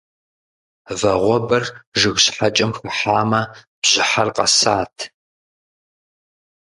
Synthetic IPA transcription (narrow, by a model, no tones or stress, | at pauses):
vɐʁʷɔbɐrʒɨɣɕħat͡ʃʼɐmxɨħaːmɐ | b̥ʑ̥ɪħarqɐ̰saːtʰ